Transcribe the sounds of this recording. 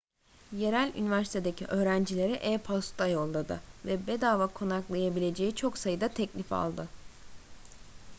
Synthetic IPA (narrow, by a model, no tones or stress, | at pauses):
je̞ɾælʲy̰nivæɾsi̥t̪ʰe̞d̪ecʰiʔø̞ːɾænd͡ʒilʲe̞ɾiʔɛːpʰast̪ʰajo̞lˠːad̪ɯvɛbed̪aːvakʰo̞naklˠajabilʲe̞d͡ʒe̞jit͡ʃʰo̞ksajɯd̪at̪ʰɛclʲifa̰lˠd̪ɯ